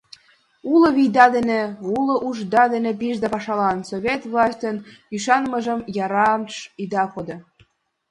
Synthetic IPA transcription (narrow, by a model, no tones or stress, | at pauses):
ulɤ̆βijd̪ɑd̪ĕnĕulŏʔuʒd̪ɑd̪ĕnĕp̬iʒd̪ɑpɑʃɑlɑnsoβʲet̪vlˠɑsʲtʲənyʃɑnmɤ̆ʒə̆mjɑɾɑmʃid̪ɑxod̪ɤ̆